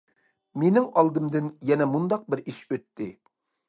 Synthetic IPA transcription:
menɪŋɑlˠd̪ɨmd̪ɨnjɛnɛmund̪ɑq̚bɪɾiʃøt̪ʰːɪ

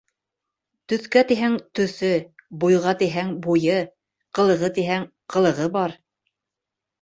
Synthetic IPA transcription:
t̪ɵ̆θkæt̪iɦæŋt̪ɵ̆θɵbujʁɑt̪iɦæŋbujɤ | qɤ̆lˠɤ̆ʁɤt̪iɦæŋ | qʰɤ̆lˠɤ̆ʁɤbɑɾ

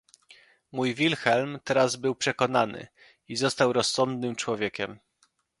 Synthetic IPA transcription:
mujvʲilxɛlmt̪ɛɾazbɘwpʂɛkɔnanɘ̰ | izɔst̪awɾɔsːɔnd̪nɘmt͡ʂwɔvʲjekʲɛm

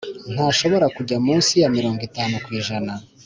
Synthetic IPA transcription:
n̥haːʃo̞βo̞ɾakuɟamuːnsijamiɾo̞ːŋɡitaːnukwiːʒana

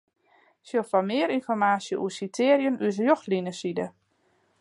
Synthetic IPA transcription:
sjofamɪːəɾinfɔrmaːsjəʔṵəsitʰɪːəɾjənysəjɔxtlinəsidə

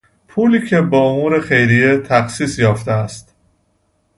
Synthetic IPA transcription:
pʰuːliːcʰe̞bɒːomuːɾe̞xe̞jɾijet̪ʰæxsiːsjɒːft̪eæst̪

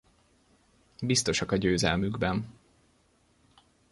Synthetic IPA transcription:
bist̪o̞ʃɒkɒɟøːzɛ̰lmyɡbɛn

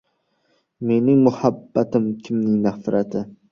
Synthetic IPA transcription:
me̞nɪŋmʊhabːat̪ɪmkʲʰɪmnɪŋnafɾat̪ʰɪ

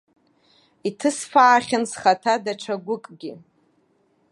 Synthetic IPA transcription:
itʰɨsfaːχʲansχatʰadaʈ͡ʂʷʰaɡʷʊkʼɡʲi

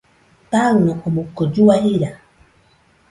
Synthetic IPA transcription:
taɾunakɔmukːɔd͡ʒuwahiɾa

